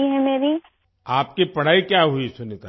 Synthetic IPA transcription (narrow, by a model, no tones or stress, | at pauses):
iɦɛmeːɾi | aːp̚kipɐɽ̤aːikjaɦuisʊnit̪a